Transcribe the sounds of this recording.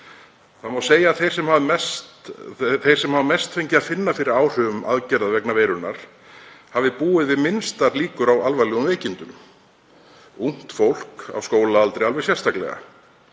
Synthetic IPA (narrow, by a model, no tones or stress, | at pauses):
θaðmawseːjaðθejr̥sɛmhavmɛs | θej̥sɛmhavamɛst̪fejɲcɪðaðfɪnːafɪɾɪɾaːwr̥œːvʏma̰ðcɛɾðaðvɛknaveːjɾʏɾna̰ɾ̥ | havðɪpuːɪðvɪðmɪnst̪aɾliːkʏɾawalvalɛɣʏmveːjcɪnt̪ʏm | un̥t̪fowl̥ka̰wskoːwlaalt̪ɾejalvɛɣsjɛr̥st̪aklɛ̰ɣa̰